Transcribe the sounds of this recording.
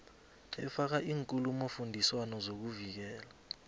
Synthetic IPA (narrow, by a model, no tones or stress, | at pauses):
ɛfak̬aʔiːŋkʼulumofundʱiswanɔzok̬uvik̬ɛːla